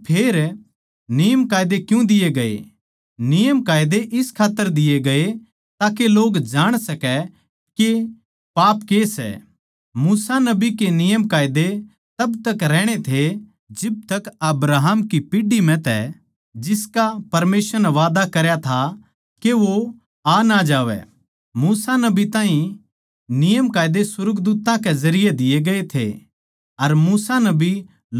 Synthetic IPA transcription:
pʰeːɾ | nɪjəmkaːjd̪ekjũd̪ɪjeɡɐḛ | nɪjəmkaːjd̪eʔɪskʰaːt̪ːəɾd̪ɪjeɡɐe | t̪aːkeloːɡd͡ʒaːɽ̃sɐkɛ | ke | paːpkesɛ̰ | muːsanɐbikenɪjəmkaːjd̪e | t̪ɐbt̪ɐkɾɛːɽ̃et̪ʰe | d͡ʒɪb̚t̪ɐkɐbɾaːɦəmkipiɖimɛ̃t̪ɛ̰ | d͡ʒɪskapɐɾmeːsəɾnɛʋaːd̪akɐɾjat̪ʰa | keʋo | anad͡ʒaːʋɛ̰ | muːsanɐbit̪ãːɦĩ | nɪjəmkaːjd̪esʊɾɡd̪uːt̪ãkezɐɾɪjed̪ɪjeɡɐet̪ʰḛ | ɐɾmuːsanɐbʱi

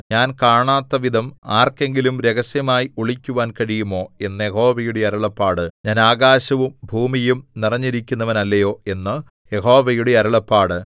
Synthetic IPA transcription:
ɲaːnkaːɳaːt̪ːɐʋid̪ʱɐmaːrke̞ŋɡilumɾe̞ɣɐsjɐmaːjiuɭikʲːuʋaːnkɐɻijumo̞ːe̞nːɨje̞ho̞ːʋɐjuɽeɐɾuɭɐpːaːɽɨɲaːnaːɣaːɕɐʋumbʱuːmijumnirɐɲːiɾikʲːunːɐʋɐnɐlːɐjo̞ːe̞nːɨ | je̞ɦo̞ːʋɐjuɽeɐɾɐɭɐpːaːɽɨ

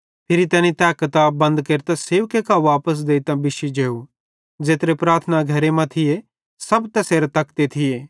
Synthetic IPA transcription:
pʰɪɾit̪ɛːnit̪ɛːkət̪abɐ̃nd̪keɾt̪aseːʋkekaʋaːpəs̬d̪eːit̪ãbɪʃid͡ʒeːu | d͡ʒeːt̪ɾepɾaːɾt̪ʰənaɡʱɐɾemɐ̃t̪ʰɪje | sɐbt̪ɛseːɾt̪ɐkt̪et̪ʰɪeː

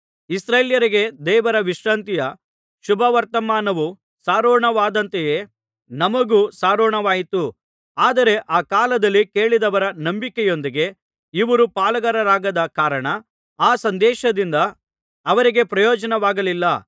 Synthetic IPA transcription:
isɾeːljɐɾiɡe̞d̪ɛːʋɐɾɐʋiʂɾaːnt̪ijɐ | ʃubʱɐʋɐɾt̪ɐmaːnɐʋu | saːɾɔːɳɐʋaːd̪ɐnt̪ejeː | nɐmɐɡuːsaːɾɔːɳɐʋaːjit̪u | aːd̪ɐɾe̞ʔaːkaːlɐd̪ɐlːike̞ːɭid̪ɐʋɐɾɐnɐmbikɛjo̞nd̪iɡe̞ | iʋɐɾupaːlɐɡɐɾɐɾaːɡɐd̪ɐkaːɾɐɳɐ | aːsɐnd̪ɛːʃɐd̪ind̪ɐː | ʋɐɾiɡe̞pɾɐjɔːd͡ʒɐnɐʋaːɡɐlilːɐ

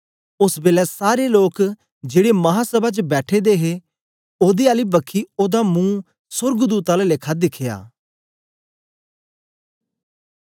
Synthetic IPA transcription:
ʊsbeːlɛːsaːɾeːloːk | d͡ʒeːɽeːməɦaːsəbaːt͡ʃəbɛːʈʰeːd̪eːɦeː | oːd̪eːaːliːbəkʰːiːoːd̪aːmũː | sʊɾɡd̪uːt̪aːlalɪkʰːaːd̪ɪkʰːɪja̰ː

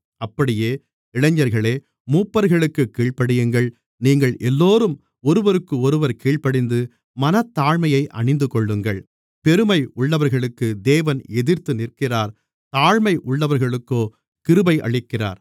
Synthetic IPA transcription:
ɐpːɐɽɪjeː | ɪɭɐɲːɐɾɣɐɭeː | muːpːɐɾɣɐɭɯkːɯkːiːɭpɐɽɯjɯŋɡɐɭ | niːŋɡɐɭʔɛlːoːɾɯm | ɔɾɯʋɐɾɯkːɯɔɾɯʋɐɾkiːɭpɐɽɪnd̪ɯ | mɐnɐt̪ːaːɻmɐjɐɪʔɐ̰ɳɪnd̪ɯkɔɭːɯŋɡɐɭ | pɛɾɯmɐɪʔʊɭːɐʋɐɾɣɐɭɯkːɯd̪eːʋɐnɛðɪɾt̪ːɯnɪrkɪraːɾ | t̪aːɻmɐɪʔʊɭːɐʋɐɾɣɐɭɯkːoː | kɪɾɯbɐɪʔɐ̰ɭɪkːɪra̰ːɾ

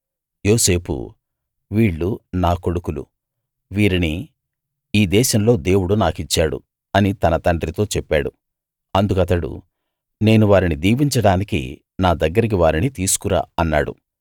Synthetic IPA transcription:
jo̞ːse̞ːpṵ | ʋiːɭːunaːko̞ɽukulṵ | ʋiːɾini | iːd̪ɛːʃɐmlo̞ːd̪e̞ːwuɽunaːkit͡ʃːaːɽṵ | ɐnit̪ɐnɐt̪ɐɳɖɾit̪o̞ːt͡ʃɛpːaːɽu | ɐnd̪ukɐt̪ɐɽṵ | ne̞ːnuʋaːɾinid̪iːbiɲt͡ʃɐɽaːnikḭ | naːd̪ɐɡːɐɾik̬iʋaːɾinit̪iːsu̥kuɾa̰ːɐnːa̰ːɽṵ

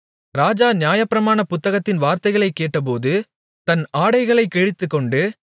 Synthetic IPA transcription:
ɾaːd͡ʒaːnɪjaːjɐpːɪɾɐmaːnɐpʊt̪ːɐɣɐt̪ːɪnʋaːɾt̪ɐɪɣɐɭɐɪkːeːʈːɐp̬oːðɯ | t̪ɐnaːɽɐɪɣɐɭɐɪkːɛɻɪt̪ːɯkːɔɳɖɯ

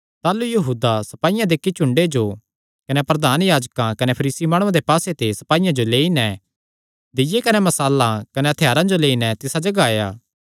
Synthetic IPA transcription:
t̪aːlujɐɦuːd̪asɐpaːijãd̪eːkːit͡ʃʊ̃ɳɖed͡ʒo | kɐnepɾɐd̪ʱaːnjaːd͡ʒkãkɐnepʰɐɾiːsimãːɽ̃ãd̪epaːset̪esɐ̥paːijãd͡ʒoleːinɛ | d̪ɪjekɐnemɐsaːlãkɐneɐt̪ʰejaːɾãd͡ʒoleːinɛt̪ɪsad͡ʒɐɡaːjaː

